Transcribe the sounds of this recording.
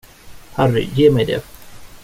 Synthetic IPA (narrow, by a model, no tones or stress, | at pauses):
hærːɪ̰jeːmɛjd̪ḛ